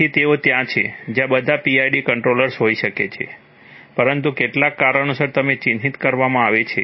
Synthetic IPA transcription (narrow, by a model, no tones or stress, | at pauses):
it̪eot̪jãt͡ʃʰḛd͡ʒjãbəd̪ʱapiajɖikəɳʈɾoləɾsɦoiʃəket͡ʃʰḛ | pəɾənt̪ukeʈlakːaɾənusəɾt̪əmet͡ʃinɦit̪kəɾʋamãaʋet͡ʃʰe